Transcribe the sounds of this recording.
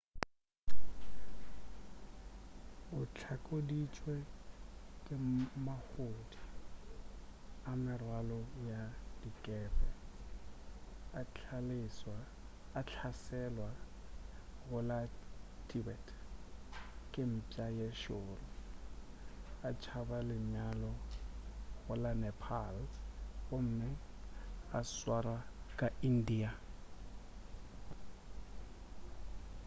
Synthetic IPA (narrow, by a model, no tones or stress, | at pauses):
ʊt͡ɬʰakʼodit͡ʃʼwɛ | kʼɪmahodi | amɪrwalɔjad̥ikʼɛːbɛ | alɪswaː | t͡ɬʰasɛlwa | ɣʊlatʰʼibɛtʰ | kʼɪm̩pʼajeʃʊrɔ | at͡ʃʰabalɪɲalɔ | ɣʊlanɛpʰalɣom̩mɪ | aswarakʼain̩diːa